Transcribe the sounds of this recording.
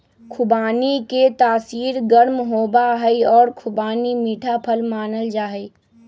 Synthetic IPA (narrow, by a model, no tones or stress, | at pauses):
kʰʊbaːniket̪aːsiːɾɡəɾmɦoːbaɦəiɔːɾkʰʊbaːnimiːʈʰapʰəlmaːnəld͡ʒaːɦə